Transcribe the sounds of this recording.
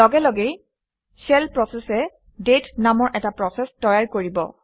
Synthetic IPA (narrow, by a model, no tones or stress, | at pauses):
lɔɡɛlɔɡej | sɛlpɹɔsɛsɛ | detnamɔɹʔɛtapɹɔsɛstɔjaɹkoɹibɔ̰